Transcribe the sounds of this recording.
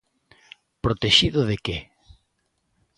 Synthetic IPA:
pɾot̪eʃiðoðeke

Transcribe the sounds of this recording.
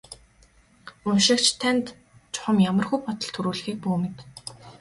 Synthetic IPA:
ʊnʃɪ̆kt͡ɕʰt̪ʰænt̪ | t͡ɕʊ̥χə̆mjamə̆rɣujpɔt̪ɞ̆ɮt̪ʰuɾuːɮ̆xiːk̚puːmɪ̆t̪

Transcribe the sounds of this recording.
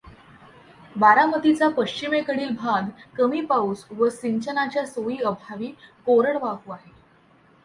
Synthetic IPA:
baɾamət̪it͡sapəɕt͡ɕimekəɽiːlbʱad̪kəmiːpausʋəsiɲt͡ɕənat͡ɕjasoiːəbʱaʋiːkoɾəɽʋaɦuːaɦe

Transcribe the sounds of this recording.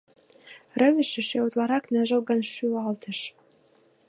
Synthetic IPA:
rɘ̆βɘ̆ʃɘ̆ʃewut̪lˠɑɾɑknæʒə̆lˠɡɑnʃyɑlt̪ʰə̆ʃ

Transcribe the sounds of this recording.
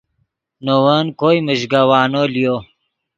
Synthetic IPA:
nowankojməʒɡawaːnolijo

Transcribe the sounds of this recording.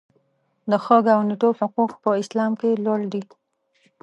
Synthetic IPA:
d̪əxəɡawnɪʈohʊquqpəɪslɑmkeloɽd̪i

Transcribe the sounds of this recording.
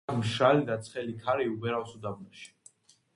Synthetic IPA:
mʃɾalid̪at̪sʰχɛlikʰaɾiubɛɾasud̪abnaʃi̥

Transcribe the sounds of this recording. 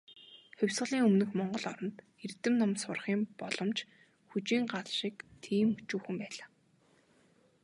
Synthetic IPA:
xʊwʲsʁə̆ɮiːŋɵmnɘ̆xmɔɴɢɞ̆ɮɔɾɞ̆nt̪ | ert̪ɘ̆mnɔmsʊrχiːmpɔɮɞ̆mt͡ɕ | xut͡ɕiːŋɢaɮʃiːkt̪ʰiːmut͡ɕuːxɘ̆mpæːɮaː

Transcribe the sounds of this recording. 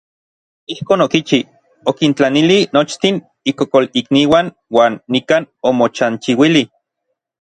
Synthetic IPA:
ihkoːnokit͡ʃi | okint͡ɬanilinot͡ʃt̪in | ikokolikniːwan | waːnːikanomot͡ʃant͡ʃiwili

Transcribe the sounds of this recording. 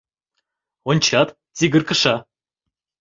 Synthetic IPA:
onʲt͡ɕɑt̪ | t͡sʲiɡʲɘ̆rkɤ̆ʃɑ

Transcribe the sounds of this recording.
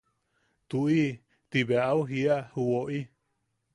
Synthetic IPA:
t̪ui | t̪iβeaauɦiahuoʔi

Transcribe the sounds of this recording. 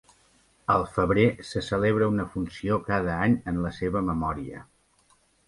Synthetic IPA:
əlˠfəβɾesəsəleβ̞ɾəunəfunsiokað̞əaɲənləseβəməmɔɾiə̰

